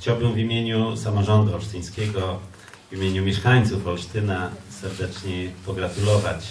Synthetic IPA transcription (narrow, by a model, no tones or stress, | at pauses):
t͡ɕawbɘmvimʲjeɲusamɔʐɔnd̪uawʂt̪ɨj̃skʲɛɡɔ | vʲimʲjeɲumʲjɛʂkaɲt̪sufawɕt̪ɘnasɛɾd̪ɛt͡ʂɲɛpɔɡɾat̪ulɔvat͡ɕ